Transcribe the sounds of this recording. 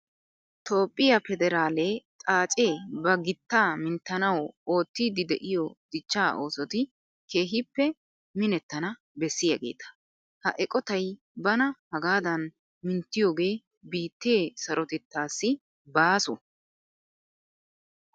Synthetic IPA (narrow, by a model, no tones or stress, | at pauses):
t̪o̞ːpʼːɪjɐfɛd̪ɛɾaːleːt̪ʼaːt͡ʃʼeːbɐɡɪt̪ːaːmɪnt̪ːɐnɐwoːt̪ːiːd̪ɪd̪ɛʔɪjɔd̪̥ɪt͡ʃːaːʔo̞̰ːsɔt̪ɪ | ke̞ːɦɪpːɛ | mɪnɛt̪ːɐnɐ | bɛsːɪjɐɡe̞̰ːt̪ɐ̥ | hɐ̰ʔɛkʼɔt̪ɐj | bɐnɐhɐɡaːd̪ɐn | mɪnt̪ːɪjo̞ːɡe̞ː | biːt̪ːeːsɐɾʔɔt̪ɛt̪ːaːsːɪ | baːsɔ